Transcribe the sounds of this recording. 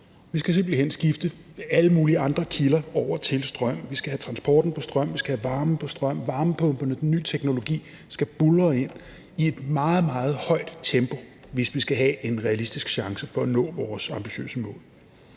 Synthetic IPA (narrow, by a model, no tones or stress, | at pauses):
ʋisɡ̥æs̬e̝m̰b̥lihen̰sɡ̥ifd̥əæləmuːliɑ̈nd̥ʁɐkʰilɐɒʊ̰ɐt͡sʰe̝lsd̥ʁɶm̰ʋisɡ̥æhæt͡sʰʁɑ̈nsb̥ɒ̰ːd̥n̩pʰɒ̽sd̥ʁɶm̰ʋisɡ̥æhæʋɑ̈ːməpʰɒ̽sd̥ʁɶm̰ʋɑ̈ːməpʰɔ̽mb̥ɐnəd̥enːy̰ːt͡sʰeɡ̥no̝lo̝ɡ̥ḭː | sɡ̥æb̥ulʁɐe̝n̰ | ie̝d̥mɑ̈ːð̞̩ˠmɑ̈ːð̞̩ˠhɒ̽ɪ̰d̥t͡sʰemb̥o̝ | ʋe̝sʋisɡ̥æɦɛʔe̝nʁɛælisd̥isɡ̥ɕɑ̈ŋsəfɒ̽ænɔ̰̽ːʋɒːsɑ̈mb̥iɕø̰ːsəmɔ̰̽ːl